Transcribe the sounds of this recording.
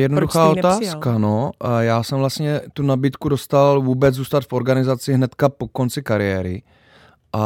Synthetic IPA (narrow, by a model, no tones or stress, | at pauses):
jɛdnoduxaːot̪aːskkanojaːsɛmvlast̪ɲɛt̪unabiːt̪kudo̞st̪alvuːbɛd͡zzuːst̪at̪fo̞ɾɡanɪzat͡sɪɦnɛt̪kapo̞ko̞nt͡sɪkaɾɪjɛːɾɪ̰ | ʔa